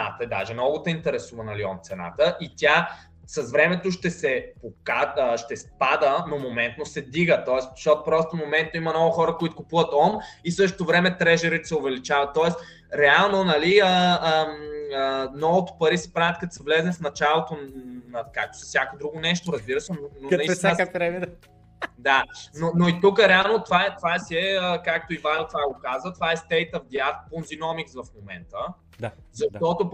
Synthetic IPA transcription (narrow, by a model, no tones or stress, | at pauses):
at̪əɛd̪a̰ʒɛmnɔɡʊt̪ɐint̪ɛɾɛsuvɐnɐliɔmt̪sɛna̰t̪əʔit̪ʲja | sɐsvɾɛmɛt̪oʃt̪ɛsɛpokaʃt̪ɛspad̪ənomomɛnt̪nosɛd̪iɡət̪ɔɛsʃt̪ɔt̪opɾɔst̪omomɛnt̪̚noimɐnɔvʊxɔɾəkoit̪o̥kʊpuvɐt̪ɔmisɤʃ̬t̪o̥t̪ovɾɛmɛt̪ɾɛʒɛɾit̪sɛovɛlit͡ʃavɐt̪ːɔɛs | ɾɛalˠnonɐliəəmənɔvot̪o̥pɐɾisɛ̥pɾavʲət̪̚kɐt̪sɐvlɛznɛfnɐt͡ʃalˠot̪onɐkak̚t̪o̥sɐ̥sjakod̪ɾuɡonɛʃt̪oɾɐzbiɾəsɛnonoɐikaɾɛm | d̪anonoit̪ukəɾɛalˠnot̪vaɛt̪ovasiɛəkak̚t̪oivajot̪vaɡokazvət̪ovaɛst̪ɛjt̪əvd̪iaft̪̚ponzinɔmiksvɐfmomɛ̰nt̪ə | d̪a | zɐʃt̪ɔt̪o